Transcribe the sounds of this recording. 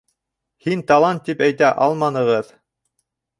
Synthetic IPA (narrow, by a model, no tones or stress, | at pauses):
hint̪ɑlˠɑnt̪ːipæjt̪æʔɑlˠmɑnɤ̆ʁɤð